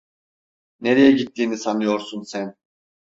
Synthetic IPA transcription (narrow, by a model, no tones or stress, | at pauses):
neɾejɛɟit̪ʰːiːnisanɯjo̞ɾsunsæn